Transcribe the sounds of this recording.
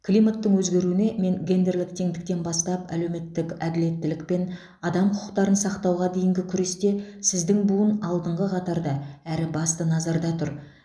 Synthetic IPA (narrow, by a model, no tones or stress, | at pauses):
kʲʰlʲˠijmat̪ːəɴwɵzɡʲe̞ɾuɪne̞me̞ŋɡʲe̞nd̪e̞rlʲˠɪk̚t̪ʰeŋd̪ɪk̚t̪e̞nbɑst̪ɑpæ̰le̞wme̞t̪ːɪkæd̪ɪle̞t̪ːɪlɪk̚pe̞n | ɑd̪ɑmqʰʊ̥ʊ̥qt̪ɑɾənsɑqt̪ɑwʁɑd̪e̞jɪŋɡʲɪkʲʰʏɾe̞st̪e̞sɪzd̪ɪŋbuənɑlˠd̪əɴʁəqʰɑt̪ɑɾd̪ɑæɾɪbɑst̪ənɑzɑɾd̪ɑt̪ʰʊɾ